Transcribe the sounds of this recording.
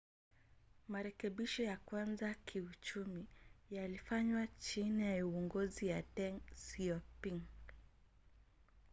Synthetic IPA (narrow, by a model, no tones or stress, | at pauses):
maɾɛkɛɓiʃɔjakwanzakʰiut͡ʃumijalifaɲwat͡ʃinijauɔŋɡɔzijatɛŋsiɔpiŋ